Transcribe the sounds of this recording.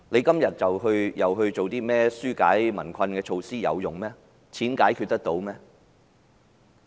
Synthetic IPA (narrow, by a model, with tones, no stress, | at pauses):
ne˨˧jkɐ˥mjɐ˨t̚t͡sɐ˨wɦɵ˧ɥjɐ˨˩wɦɵ˧ɥt͡ʃo˨wt̪iː˥mɛː˥syː˥kaː˨˥jmɐ̰˨˩nkʷʰɐ˧nkɛː˧t͡ʃʰo˧wsiː˥jɐ̰˨˧wjʊ˨˩ŋmɛː˥ | t͡sʰiː˨˥nkaː˨˥jkʰy˧t̚t̪ɐ˥k̚t̪o˨˧wmɛː˥